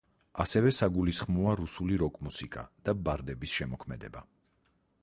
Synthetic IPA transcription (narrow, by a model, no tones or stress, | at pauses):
asɛvɛsaɡulisχmɔaɾusuliɾɔkʼmusikʼa̰d̪̥abaɾd̪ɛbisʃɛmɔkʰmɛd̪ɛba